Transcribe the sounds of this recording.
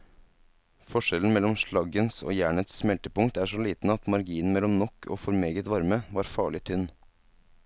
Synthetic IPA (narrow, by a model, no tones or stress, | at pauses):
fɔʂɛln̩mɛlːɔmʃɭɑɡənso̰ːjæːɳət̪ssmɛlt̪əpʊŋkt̪æʂɔliːt̪n̩ɑt̪mɑɾɡiːən̩mɛlːɔmnɔkʰːo̰ːfɔɾmeːɡət̪ʋɑɾməʋɑːɾfɑːɭɪt̪ʰʏnː